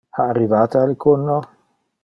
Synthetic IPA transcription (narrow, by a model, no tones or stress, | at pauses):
aːrːivaːt̪ealkunːo